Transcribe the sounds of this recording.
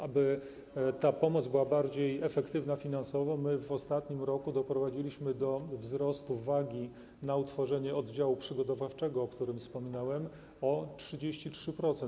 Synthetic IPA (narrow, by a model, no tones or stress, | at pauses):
abɘ | t̪apɔmɔd̪zbɘwabaɾd͡ʑejɛfɛkt̪ɘvnafʲinansɔvɔmɘvɔst̪at̪ɲimɾɔkud̪ɔpɾɔvad͡ʑilʲiɕmɘd̪ɔvzɾɔst̪uvaɡʲi | naut̪fɔʐɛɲɛɔd̪d͡ʑawupʂɘɡɔt̪̬ɔvaft͡ʂɛɡɔːkt̪uɾɘmfspɔmʲinawɛm | ɔtʂɘd͡ʑeɕt͡ɕitʂɘpɾɔt̪sɛ